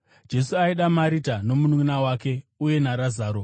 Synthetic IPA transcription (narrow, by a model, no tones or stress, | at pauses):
d͡ʒe̞suaiɗamaɾitano̞muninawaːke̞uje̞naɾazaːɾo